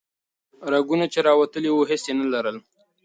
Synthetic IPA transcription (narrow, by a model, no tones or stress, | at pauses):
ɾaɡunat͡ʃeɾɑwat̪əliwuɦɪsenalaɾəl